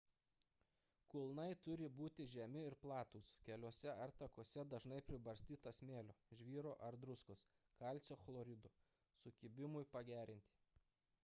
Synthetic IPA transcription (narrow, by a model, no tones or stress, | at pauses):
kʊlˠnɐɪt̪ʊɾʲɪbuːt̪ʲɪʒʲɛmʲɪɪɾplˠɑːt̪uːskʲɛlʲoɔsʲɛɐɾt̪ɐkoːsʲɛd̪ɐʒnɐɪpʲɾʲɪbɐɾʲsʲt̪ʲiːt̪ɐsmʲeːlʲoːʒʲʋʲiːɾoːʔɐɾd̪ɾʊskos | kɐˑlʲt͡ʃʲoːxlˠoːɾʲɪd̪oː | sʊkʲɪbʲɪmʊjpɐɡʲæːɾʲɪnʲt̪ʲiː